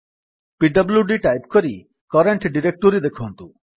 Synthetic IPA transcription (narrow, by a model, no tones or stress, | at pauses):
piɖɐbljuɖiʈajpkoɾi | kɔɾeɳʈɖiɾek̚ʈoɾid̪ekʰont̪u